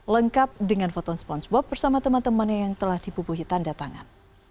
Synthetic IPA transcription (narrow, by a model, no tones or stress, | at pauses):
ləŋkap̚dəŋanfɔt̪ɔnspɔnsbɔp̚bərsamat̪əmant̪əmanɲajaŋt̪əlahd̥ibubuɦit̪andat̪aŋa̰n